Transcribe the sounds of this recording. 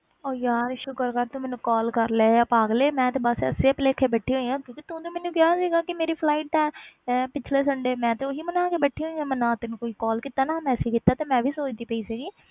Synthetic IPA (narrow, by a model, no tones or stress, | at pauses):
oːjaːɾʃʊkəɾkaɾt̪ũmɛ̃ːnũːkɔːlkəɾleːjaːpaːɡleːmɛ̃ːt̪eːbəsə̰seːəpleːkʰːeːbɛʈʰːiːɦoːijãːkjõːkit̪õːd̪õːmɛːnũːkjaːsiːɡaːkɪmeːɾiːpʰlaːiːʈɛ̃ːpɪt͡ʃʰleːsəɳɖeːmɛ̃ːt̪eoːɦiːmənãːkebɛʈʰːiɦoːiãːmənãːt̪ɪnũːkoːiːkɔːlkɪt̪aːnaːmɛ̃ːəsiːkɪt̪aːt̪eːmɛ̃ːʋʱiːsoːt͡ʃd̪iːpəiːsiːɡiː